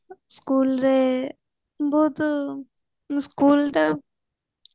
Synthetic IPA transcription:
skuːlɾe | bot̪ | skuːlɾe

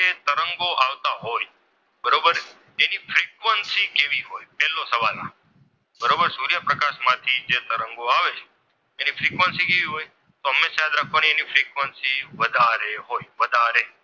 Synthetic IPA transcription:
et̪əɾəŋɡoʔaʋt̪aɦoj | bəɾobəɾ | enifɾikʋənsikeʋiɦojpɛɦlːosəʋalnã̰ | bəɾobəɾsuɾijapɾəkaʃmãt̪ʰid͡ʒet̪əɾəŋɡoaʋet͡ʃʰe̥ | enifɾikʋənsikeʋiɦoj | t̪oəmeʃjad̪ɾakʰʋanienifɾikʋənsiʋəd̪ʱaɾeɦojʋəd̪ʱaɾe

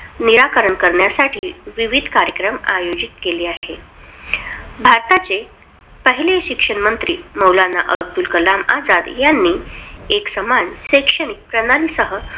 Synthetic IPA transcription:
niɾakəɾəɳkəɾɳjasaʈʰiːʋiʋid̪ʱkaɾjəkɾəma̰jod͡ʑit̪̚keliːaɦe | bʱaɾt̪at͡se | pəɦileɕikʂəɳmənt̪ɾḭːməwlana̰ʔə̰əɡ̚d̪ulkəlamad͡zad̪janːiːeksəmanɕekʂəɳik̚pɾənalisəɦə

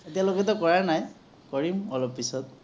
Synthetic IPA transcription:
etialokɛtɔkɔɹaɹnaj | kɔɹimɔlɔpːisɔt̚

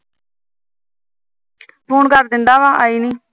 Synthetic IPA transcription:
pʰuːnkəɾd̪ɪnd̪aːʋaːʔaːiːniː

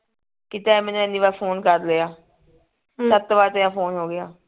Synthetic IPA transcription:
kɪt̪aːɛmɛ̃ːnũɛniːʋaːpʰoːnkəɾleaː | sət̪ːʋaːɾt̪əjãːpʰoːnɦoːɡɪjaː

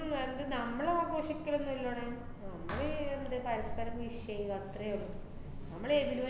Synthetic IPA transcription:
mend̪ɨnɐmːɐɭaːɡo̞ːʂikʲːɐlɭenːuɐlːoːɳe | nɐmːɐɭeðɨpɐɾɐspɐɾɐmʋiʂjejuɐt̪rɐjoɭːu | nɐmːɐɭeʋiluʋɐ

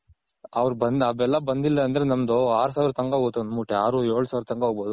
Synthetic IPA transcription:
ɐʋɐɾubɐnd̪ɐʋɛlːɐbɐnd̪ilːɐɐnd̪ɐɾenɐmd̪oaːɾusaːʋiɾɐt̪ɐŋɡɐɦoːt̪onmuːʈːeaːɾueːɭusaːʋɾɐt̪ɐŋɡɐɦoɡboːd̪u

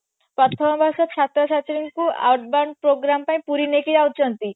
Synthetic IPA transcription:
pɾɔt̪ʰɔmɔbʱasɔt͡ʃʰat̪ɾɔt͡ʃʰat͡ʃɔɾiŋkua̰wʈbaɳɖpɾoɡɾampaĩpuɾinekid͡ʒawt͡ʃʰɔnt̪i

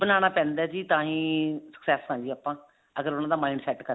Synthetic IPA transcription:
bənaːñaːpɛ̃ːnd̪ɛːd͡ʒiːt̪ãːɦĩːsə̥ksɛːshãːɲd͡ʒiːaːpːãː | əɡəɾʊnãːd̪aːmaːiɳɖsɛːʈkə

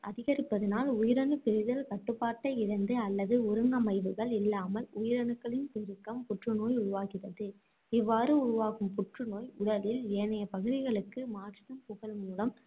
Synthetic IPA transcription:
ʔɐðɪɣɐɾɪpːɐðɐnaːlʊjɪɾɐnɯpɛɾɪðɐlkɐʈːɯpːaːʈːɐɪɪɾɐnd̪ɯɐlːɐðɯʊɾɯŋɡɐmɐɪʋɯɣɐɭɪlːaːmɐlʊjɪɾɐnɯkːɐɭɪnpɪɾɯkːɐmpʊʈrɯnoːjʊɻʊʋaːɣɪrɐðɯ | ɪʋːaːɾɯʊɾʊʋaːɣɯmpʊʈrɯnoːjʊɽɐlɪleːnɐjɐpɐɣɯðɪɣɐɭɯkːɯmaːʈːɐɐmpʊɣɐɭmuːlɐm

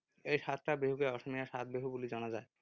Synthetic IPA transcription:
ejʃat̪ɾabeɦukeɔʃomijaʃat̪̚beɦubulid͡ʑɔnad͡ʑae

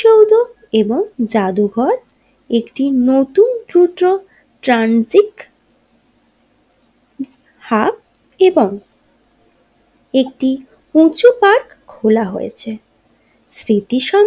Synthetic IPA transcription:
owd̪o | eboŋd͡ʑad̪uɡʱɔɾ | ekʈinot̪unt̪ɾuʈo | ʈɾanzik | hak̚ | eboŋ | ek̚ʈi | ut͡ɕupaɾkʰːolaɦo̰jḛt͡ɕʰe | sɾit̪iʃa

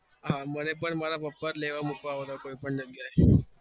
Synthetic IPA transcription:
ɦãmənepəɳməlapəpːəɾleʋamukaʋd̪akoipəɳd̪əɡjae

